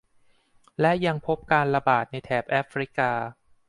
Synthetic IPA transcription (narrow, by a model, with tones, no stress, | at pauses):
lɛ˦˥ja˧ŋpʰo˦˥p̚kaː˧nla˧baː˨˩t̪̚na˧jt̪ʰɛː˩p̚ʔa˦˥fɾi˦˥kaː˧